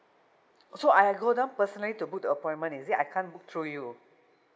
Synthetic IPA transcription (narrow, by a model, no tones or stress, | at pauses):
soajɡodãʊ̃npəsənəlitubuk̚dəəpɔ̃j̃nmə̃nisiʔa̰jkʰãnbuk̚t̪ʰɹuju